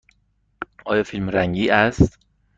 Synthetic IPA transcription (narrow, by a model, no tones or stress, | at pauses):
ʔɒːjɒːfilmɾæŋɟiːʔæst̪